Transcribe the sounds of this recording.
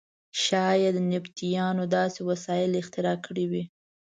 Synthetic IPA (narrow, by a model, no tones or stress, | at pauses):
ʃɑjed̪ənɪpt̪ijɑnod̪ɑsewasɑjɪlɪxt̪ɪɾɑkʰəɽiwi